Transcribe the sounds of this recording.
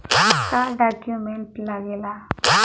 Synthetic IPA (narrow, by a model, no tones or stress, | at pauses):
k̪aɖakjumeɳʈlaɡela